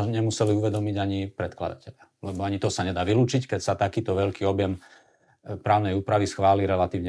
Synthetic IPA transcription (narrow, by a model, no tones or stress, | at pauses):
ɲɛmusɛliuʋɛd̪ɔmiɟaɲipɾɛt̪kla̰d̪a̰cɛʎɪa | lɛbɔaɲit̪ɔsaɲɛd̪aːʋiluːt͡ʃickɛcsat̪akiːt̪ɔʋɛʎkiːɔbjɛm | pɾaːʊnɛjuːpɾaʋisxʋaːliɾɛlat̪iːʋɲɛ